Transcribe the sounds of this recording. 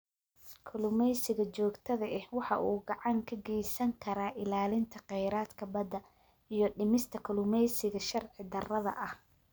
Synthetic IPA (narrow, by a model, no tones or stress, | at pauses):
kʰʊlʊmɛjsɪɣɐt͡ʃɔːɡt̪ʰɐðɐʔɛhwɑħɑʔuːɡɑʕɑŋkʰɐɡɛjsɐŋkʰɐɾaːʔɪlaːlɪnt̪ʰɐqɛjɾaːd̪kʰɐbɐd̪ɐ | ijɞɖɪmɪst̪ʰɐkʰʊlʊmɛjsɪɣɐʃɐrʕɪd̪ɐrɐðɐ̰ʔɐh